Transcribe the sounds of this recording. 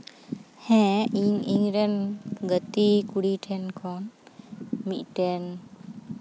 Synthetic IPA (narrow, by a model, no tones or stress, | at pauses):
hɛ̃iɲiŋɾənɡət̪ikuɽiʈʰɛnkʰɔn | miʔʈɛn